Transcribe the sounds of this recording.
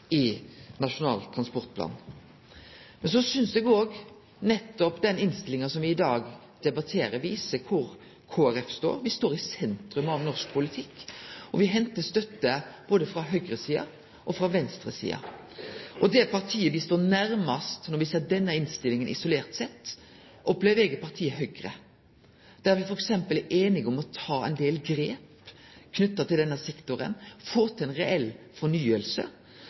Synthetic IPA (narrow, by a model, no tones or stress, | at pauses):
ɪnɑʂʊnɑ̰ːlt̪ʰɾɑnspɔɾt̪̚pʰlɑ̰ːn | mɛnsɔsʏnsd̪ɛɡoːɡ | nɛt̪ːɔpd̪ɛnɪnst̪ɪlɪŋɑsɔmʋɪɪd̪ɑːɡ | d̪̥ɛbɑt̪ʰeːɾəʋiːsəkʰʊɾ | kʰoːæɾɛfst̪o̰ːɾʋɪst̪oːɾɪsɛnt̪ɾʉmɑʋnɔʁʂk̚pʰʊlɪt̪ʰɪkːʔɔʋɪɦɛnt̪əst̪œt̪ːəb̥oːd̪əfɾɑɦœɡɾəsiːɑ̰ | ʔɔfɾɑʋɛnst̪ɾəsḭːɑ̰ | ʔɔd̪ɛpʰɑʁt̪ʰiːəʋɪst̪oːnæɾmɑst̪nɔɾʋɪseːʁd̪ɛnːəɪnst̪ɪlɪŋənʔɪ̰sʊleːɾt̪sɛt̪ː | ʔɔpleʋɛɡəpʰɑʁt̪ʰiːəɦœɡɾə̰ | d̪̥æʋɪfɔɾɛksɛmpəlʔeːnɪɡɔmɔt̪ʰɑːɛ̰ɪnd̪eːlɡɾeːp | kʰnʉt̪ːɑt̪ʰɪld̪ɛnːəsɛkt̪ʊɾə̰nfoːt̪ʰɪɛnʁɛɛlfɔnyːəlsə̰